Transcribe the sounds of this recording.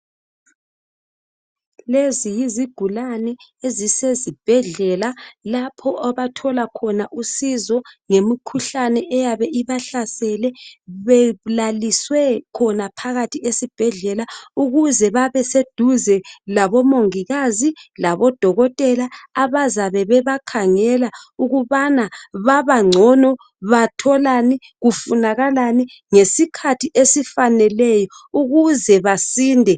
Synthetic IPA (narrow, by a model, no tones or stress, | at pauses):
lezijiziɡ̥ʱulanɛezisezib̥ʱɛɮɛlalapʰɔʔaβatʰɔlakʰɔnaʔusizɔŋemikʰuɬanɛʔɛjaβɛʔiβaɬasɛlɛβɛlaliswɛkʰɔnapʰaɣatʰiesib̥ʱɛɮɛlauɣuzɛβaβɛsed̥ʱuzɛlaβɔmoŋiɣazilaβɔd̥ʱɔɣɔtʼɛlaaβazaβɛβɛβakʰaŋɛlauɣuβanaβaβaŋ͡ǀʱɔnɔ | βatʰɔlani | ɣufunaɣalani | ŋesikʰatʰiʔesifanɛlɛjɔuɣuzɛβasiːndʱɛ